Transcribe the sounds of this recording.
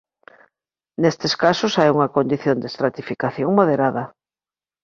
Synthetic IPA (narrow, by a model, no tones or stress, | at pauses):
nest̪eskasʊsajuŋɐkond̪iθjond̪est̪ɾat̪ifikaθjoŋmoðeɾaðɐ